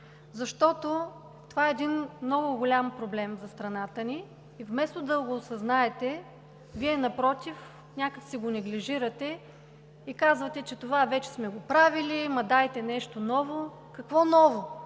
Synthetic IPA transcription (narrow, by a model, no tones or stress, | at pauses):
zɐʃt̪ɔt̪o | t̪ovaɛːd̪inmnɔɡʊɡolʲampɾoblɛmzɐst̪ɾɐnat̪əniː | vmɛst̪od̪ɐɡoːsɐznaɛt̪ɛ | viɛnɐpɾɔt̪if | nʲakəksiɡonɛɡliʒiɾɐt̪ɛ | ikazvɐt̪ɛt͡ʃɛt̪ovavɛt͡ʃɛ̥smɛɡopɾavilimɐd̪ajt̪ɛnɛʃt̪onɔvo | kɐkvɔnɔvo